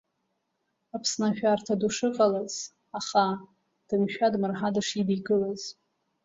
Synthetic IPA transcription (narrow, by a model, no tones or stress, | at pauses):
apʰsnaʃᶣartʰaduʂɨqʼalaz̥ | aχa | d̥ɨmʃᶣadmɨrħadaʂidiɡɨlaz̥